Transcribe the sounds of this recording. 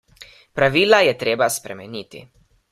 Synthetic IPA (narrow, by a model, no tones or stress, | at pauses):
pɾaʋiːlajɛt̪ɾeːbaspɾɛmɛniːt̪ḭ